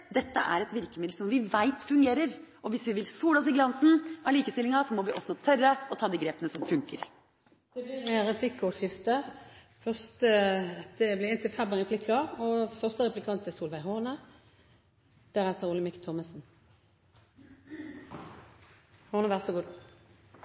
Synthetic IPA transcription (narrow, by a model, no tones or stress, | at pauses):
d̪ɛt̪ːəʔæ̰ɾɛt̪ʋɪɾkəmɪd̪lsɔmʋɪʋæɪt̪fʉŋɡeːɾəɾ | ɔʋɪsʋɪʋɪlsuːləɔsɪɡlɑnsn̩ɑliːkəst̪ɪlɪŋɑsɔmɔʋɪʔɔsːɔt̪ʰœrːəɔt̪ʰɑːd̪iːɡɾeːpənəsɔmfʉŋkəɾ | d̪̥ɛblɪɛʁɛpʰlɪkːʊʂɪft̪ə | fœʁst̪ə̥ɛblɪʁɛnt̪ɪlfɛbɑŋɛpʰlɪkʰːɑɔfœʁst̪əʁɛplɪkʰɑnt̪ɪsuːlʋæɪɦɔʁnə | d̪̥æʁɛt̪əʁuːləmɪkt̪ʰɔməsn | hɔʁnəʋæʁsɔɡuːd̪